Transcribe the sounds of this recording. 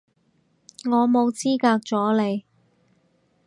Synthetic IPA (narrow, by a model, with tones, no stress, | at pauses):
ŋɔː˨˧mo˨˧wt͡siː˥kaː˧k̚t͡sɔː˨˥le˨˧j